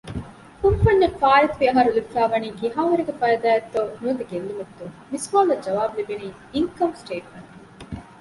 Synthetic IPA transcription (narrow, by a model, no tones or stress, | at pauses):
kunfɐɲːɐfaːɾɐt̪ʋiɐɦɐɾulibifæːʋɐniːɡiɦaːʋɐɾeɡefɐɾɐd̪aːjɐt̪ːonuɐd̪eɡelːumɐt̪ːuŋmisʋaːlɐd͡ʒɐʋaːbulibiniː | iŋkɐmsʈeːʈmɐŋ